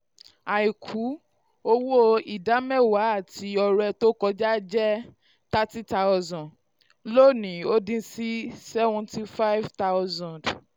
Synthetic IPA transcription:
a˨i˨kʰu˨˦ | o˧wo˦i˨da˨˦mɛ̃˦˨wa˨˦a˦˨ti˧ɔ˧ɾɛ˧to˦kɔ˧d͡ʒa˦d͡ʒɛ˦ | ta˦ti˦ta˧ɔ˧zɔ̃˨ | lo˦˨nĩ˨o˦dĩ˧si˦sɛ˦vɔ̃˧ti˧fa˦i˦vta˦wzɔ̃˨d

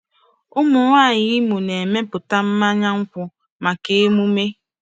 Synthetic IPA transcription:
ʊ˦mʊ˨ŋʷaː˦˨ɲɪ˦mu˨ne˨me˦pʊ˨ta˦m̩˦ma˦ɲa˦ŋ̩˦kʷʊ˦ | ma˨ke˦e˦mu˦me˦

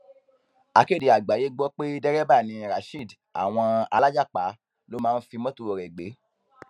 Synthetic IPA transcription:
a˧ke˦˨di˨a˨ɡ͡ba˨je˦ɡ͡bɔ˦k͡pe˦dɛ˦ɾɛ˦ba˦˨nĩ˧ɾa˨ʃi˦˨d | a̰˨w̃ɔ̃˧a˧la˦d͡ʒa˦˨k͡pa˨˦ | lo˦mãː˦˧˦n̩˦fi˧mɔ̃˦tu˧o˨ɾɛ˨ɡ͡be˨˦

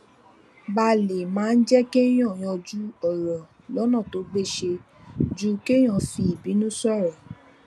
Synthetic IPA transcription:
ba˧le˨mãː˨˦n̩˦d͡ʒɛ˦ke˦j̃ɔ̃˦˨j̃ɔ̃˧d͡ʒu˦ɔ˨ɾɔ̃˨ | lɔ˨˦nã˦˨to˨˦ɡ͡be˦˨ʃe˧ | d͡ʒu˦ke˦j̃ɔ̃˧fi˧˦i˨bi˨˦nũ˦sɔ˦˨ɾɛ˨

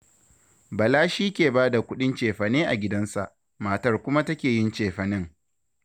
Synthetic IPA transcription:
bɐ˨laː˦ʃiː˦kʲeː˨baː˦da˨kʷʊ˦ɗɪ˦nt͡ʃeː˨ɸɐ˨neː˦ʔa˨ɡʲɪ˦dɐ˦nsa̰˨ʔ | maː˨tɐ˦rkʷʊ˦ma˦tɐ˦kʲeː˨jɪ˦nt͡ʃeː˨ɸɐ˨nɪ˦ŋ

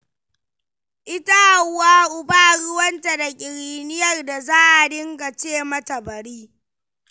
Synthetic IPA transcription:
ʔɪ˦ta˦ʔa˨˦waː˦ʔʊ˦baː˦ɽʊ˦wɐ˦nta˨da˨kʲʼɪ˨ɾiː˨nɪ˦jɐ˦˨rda˨zaː˦ʔa˨dɪ˦ŋɡa˨t͡ʃeː˦˨mɐ˦tɐ˨bɐ˨ɽiː˦

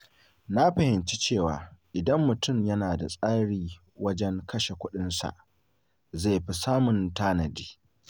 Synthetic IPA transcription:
na˦ɸɐ˨hɪ˨nt͡ʃi˦t͡ʃeː˦˨waː˨ʔɪ˨dɐ˦mːʊ˨tʊ˦˨mjɐ˦naː˨da̰˨sʼaː˦ɽiː˦˨ | wɐ˦d͡ʒɛ˦ŋkʰɐ˦ʃe˨kʷʊ˦ɗɪ˦nsa̰˨ʔ | za˦˨jɸi˦saː˦mʊ˨ntaː˦nɐ˨di̥ː˦

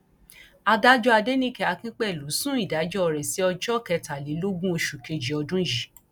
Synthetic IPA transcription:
a˧da˦d͡ʒɔ˦a˧de˦nĩ˦kɛ˧˦a˧kĩ˦k͡pɛ˦˨lu˨˦sũ˦i˦˨da˨˦d͡ʒɔ˦ɔ˧˨ɾɛ˨si˨˦ɔ˧d͡ʒɔ˦˨kɛ˧ta˨li˨˦lo˦ɡũ˦o˧ʃu˨ke˧d͡ʒi˨˦ɔ˧dũ˦ji˨˦

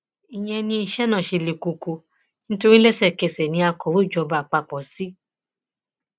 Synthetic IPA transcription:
i˨j̃ɛ̃˧nĩ˧i˧ʃɛ˦nã˦˨ʃe˧le˧ku˧ko˧ | nĩ˦to˧ɾi˦lɛ˦sɛ˦˨kɛ˧˨sɛ˨nĩ˧˦a˧kɔ˨˦wo˦˨d͡ʒɔ˧ba˨k͡pa˧k͡pɔ˨˦si˦

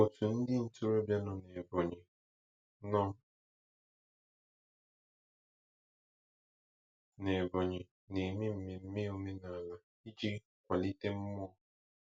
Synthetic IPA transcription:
o˨tʰu˨n̩˦dɪ˦n̩˨tu˦ɾo˦bja˦nʊ˨ne˨bɔ˨ɲɪ˨ | nɔ˦ | ne˨bɔ˨ɲɪ˨ | ne˨me˦m̩˦me˨m̩˦me˦o˨me˦na˨la˨ | i˦d͡ʒi˦ | kʷa˨li˦te˦m̩˦mɔ˦ɔ˦

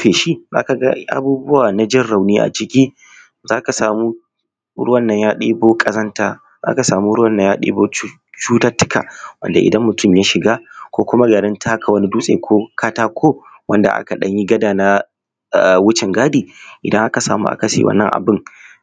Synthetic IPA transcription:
eː˨ʃi˦za̰ː˦ka˨ɡa̰˦ʔa̰˨buː˦bʊ˦waː˨na˦d͡ʒɪ˦rɽa˨wniː˦ʔa̰˨t͡ʃɪ˦kʲiː˦ | zaː˦ka˨saː˨muː˦ | ɾʊ̰˦ɐ˦˨nːɐ˨ɲjaː˦ɗeː˦boː˦kʼɐ˦zɐ˦ntaː˦ | za̰ː˦ka˨saː˨mu˦ɽʊ˦wɐ˦˨nːɐ˨˦ɲjaː˦ɗḛː˦boː˦ | t͡ʃuː˦taː˦tːʊ̥˦ka̰˨wɐ̰˦nda˨ʔɪ̰˨dɐ˦mmʊ˨tʰʊ˦mjaː˦ʃɪ˨ɡaː˦kʷoː˦kʷʊ˦ma˦ɡaː˨dɪ˦ntʰaː˦kʰa˨wɐ˦ni˦duː˦sʼḛː˨kʰʷoː˦kʰaː˦taː˦kʷʰoː˦ | wɐ˦nda̰˨ʔa̰˦ka˨ɗɐ̰˦ɲji˦ɡɐ˦daː˨na˦˨ | wʊ˦t͡ʃɪ˨ŋɡaː˦diː˨ʔɪ˨dɐ˦ŋʔa˦ka˨saː˨mṵ˦ʔa̰˦kɐ˨sḛ˨wɐ̰˦nːɐ̰˦ŋʔa̰˨bɪ˦ŋ

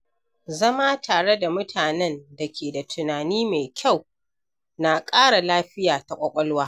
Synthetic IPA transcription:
zɐ˦ma˦tʰaː˨ɽe˦da˨mʊ˦tʰaː˨nɛ˦nda˨kʲeː˨da˨tʰʊ˨naː˨niː˦me˨kʲʰa˦˨w | na˨kʼaː˦ɽa˨laː˦ɸɪ˦jaː˨ta˨kʷʼɐ˦kʷʼɔ˦lwaː˦

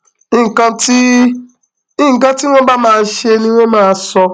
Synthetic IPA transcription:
i˦ŋ̩˨kã˧˦ti˦ | i˦˨ŋ̩˨kã˦ti˦wʷɔ̃˦ba˦mãː˦ʃe˦nĩ˦wʷe˦mãː˦sɔ˧

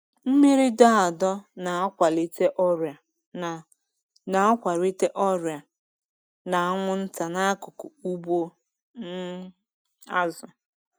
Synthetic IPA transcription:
m̩˦me˦ɾi˦da˦a˨dɔ˦na˨a˦kʷa˨li˦te˦ʔɔ˦ɾa˨ | n˨ | na˨a˦kʷa˨ɾi˦te˦ʔɔ˦ɾja˨ | na˨a˦ŋʷʊ˦n̩˦ta˨na˦kʊ˨kʊ˨u˦bo˦ | n̩˦ | a˦zʊ˨

